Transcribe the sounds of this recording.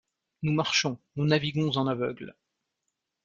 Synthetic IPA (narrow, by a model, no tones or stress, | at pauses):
numaʁʃɔ̃nunaviɡɔ̃zɑ̃navœɡl